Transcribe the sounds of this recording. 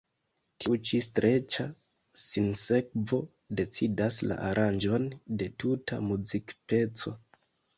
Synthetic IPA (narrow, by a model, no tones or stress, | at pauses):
tiut͡ʃistɾʔe̞t͡ʃa | sinse̞k̚vo̞ | de̞t͡sidasla̰ʔaɾʔand͡ʒo̞nde̞tutʰa̰muzikpe̞t͡so̞